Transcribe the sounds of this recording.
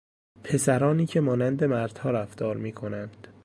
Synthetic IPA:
pʰe̞sæɾɒːniːcʰe̞mɒːnænd̪e̞mæɾd̪̥hɒːɾæft̪ɒːɾmiːkʰo̞nænd̪̥

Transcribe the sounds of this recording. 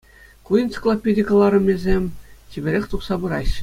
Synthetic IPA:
kujint̪t͡sɨ̥klˠopʲedʲikɤ̆lˠɑɾɤ̆mʲezʲemʲtʲibʲɘ̆ɾʲexʲt̪uχsɑbɯɾɑɕːɘ̥̆

